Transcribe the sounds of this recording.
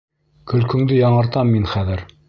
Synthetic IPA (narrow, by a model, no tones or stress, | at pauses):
kɵ̆lkɵ̆ŋd̪ɘjɑɴɤ̆ɾt̪ɑmːinχæðɘɾ